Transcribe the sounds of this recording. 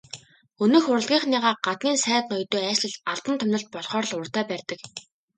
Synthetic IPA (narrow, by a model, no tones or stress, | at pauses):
ɵnɵ̆xʊɾə̆ɮɣʲiːχniʁaːɢat̪̚ɡʲiːnsæːt̪nɔjt̪oːæːʃɮɘ̆ɮaɮp̪ə̆nt̪ʰɵmnə̆ɬt̪̚pɔɮχɔːɾ̆ɮʊrt̪æːpærʲt̪ə̆k